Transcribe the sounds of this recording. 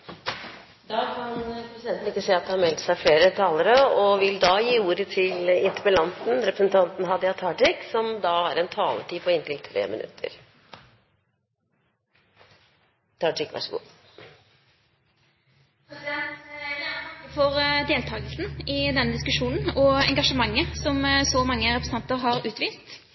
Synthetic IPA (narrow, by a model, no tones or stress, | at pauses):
d̪ɑːkʰɑnɾɛpɾəsɪd̪ɛnt̪n̩ɪkːəsɛːɑt̪̚d̪ɛhɑɾmɛlt̪sæɪfleːɾət̪ʰɑːləɾəɔʋɪld̪ɑːjiːuːɾət̪ʰɪlɪnt̪ʰəbəlɑnt̪n̩ɾɛpɾəsnt̪ʰɑnt̪n̩ɦɑd̪ɪɑt̪ʰɑːɖɪksɔmd̪ɑæɾɛnt̪ʰɑːlə̰ʈiːpʰɔɪnt̪ʰɪlt̪ʰɾḛːmɪ̰nʔʉ̰t̪ʰːə̰ɾ | t̪ʰɑɪkʋæ̰ʂəɡṵː | əfɔʁd̪eːlt̪ʰɑːɡəlsn̩ɪd̪ɛnːəd̪ɪskʉʃuːnn̩ɔɛŋɡɑʂəmɑŋːəsɔmsɔmɑŋːəɾɛpɾsn̩ɑnt̪əʁɦɑɾʉːt̪ʋiːst̪